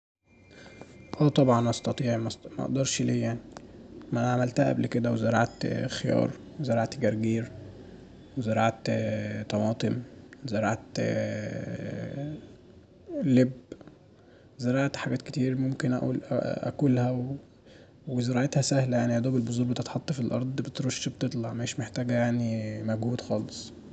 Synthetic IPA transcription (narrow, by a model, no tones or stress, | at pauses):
ʔæːt̪ˤɑbʕɑnʔɑst̪ɑt̪ˤiːʕmmæʔɑ̰ʔd̪ɑɾˤʃliːjaʕnimæʕamælt̪hæʔæblked̪æwezeɾɑ̰ʕt̪xejɑ̰ːɾˤ | wezeɾɑʕt̪ɡæɾˤɡiːɾ | wezeɾɑʕt̪t̪ˤɑmɑːt̪ˤemwzeɾɑʕt̪ | leb | ezeɾɑʕt̪ħaɡæːt̪ket̪iːɾmomkenʔæ̰ʔṵːl̰ʔæ̰kulhæw | wezeɾˤɑʕet̪hæsæhlæjaʕnihæd̪oːbelbozˤuːɾbet̪et̪ħɑt̪ˤːɑfilʔɑ̰ɾˤd̪ˤbet̪ɾoʃːbt̪et̪ˤlɑʕmæeːʃmeħt̪æːɡæjaʕnimæɡhuːd̪xɑːlesˤ